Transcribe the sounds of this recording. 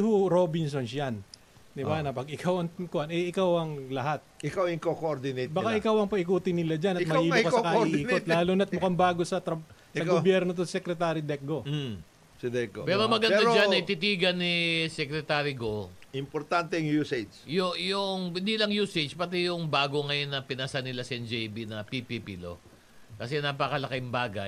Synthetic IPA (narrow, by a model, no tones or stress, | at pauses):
hʊɾobɪns̬onsjan | d̪ɪbanɐpɐɡɪkawɐŋkʊʔanɛʔɪkawɐŋlɐɦat̪̚ʔɪkawɪŋkokoʔoɾd̪ɪnejt̪bɐkaʔɪkawɐŋpɐʔɪkuːt̪ɪnːɪlad͡ʒanɐt̪mɐiːmkɐsɐkaiʔ̪ɪiːot̪̚laːlunɐt̪̚mʊkɐmbaːɡosɐt̪ɐsɐɡobjɛɾnot̪̬osɛkɾɛt̪aːɾid̪ɛk̚ɡo | sɪd̪ɛk̚ɡopɛɾomɐɡɐnaɾd͡ʒanːɐɪt̪ɪt̪iːɡɐnisɛkɾɛt̪aːɾiɡoɪmpoɾt̪ant̪ɛŋjuset͡ʃjʊjʊŋɪnd̪iːlɐŋjuːset͡ʃpɐt̪ijʊŋbaːɡo̞ŋɐjonːɐpɪnɐsɐnɪlasɛnd͡ʒɛjbinɐpipipḭlo̰ | kɐsɛnɐpɐkɐlɐkɪjmbaːɡɐ̰